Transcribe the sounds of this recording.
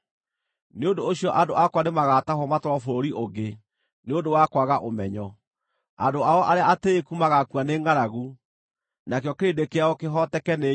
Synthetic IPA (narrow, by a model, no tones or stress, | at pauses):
neondoːɕjɔʔadoʔakwanemaɣatahɔmatoɾɔfoɾoɾiʔoɡe | neondowakwaɣaʔomɛɲɔ | a̰doaɔʔaɾeaateːkumaɣakuaneːŋɡaɾaɣu | nakeɔkeɾedekeaɔkeɦɔtɛkɛne